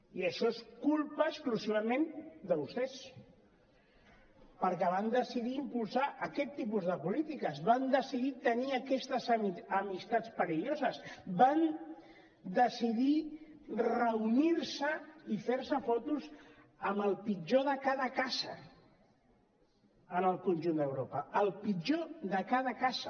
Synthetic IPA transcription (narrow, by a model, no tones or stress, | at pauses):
iəʃɔeskulˠpəːskluziβəmẽnd̪əβust̪ɛs | pəɾkɛβ̞and̪əsiðiːmpulˠsaʔəkɛt̪ːipuzðəpulit̪ikəzβand̪əsiðit̪əniəkɛst̪əzəmist̪at͡spəɾiʎozəzban | d̪əsiði | rəuniɾsəifeɾsəfɔt̪uz | əmbəlˠpid͡ʒoðəkaðəkazə̰ | ənəlˠkunʲʒund̪əwɾopəəlˠpid͡ʒoðəkað̞əkazə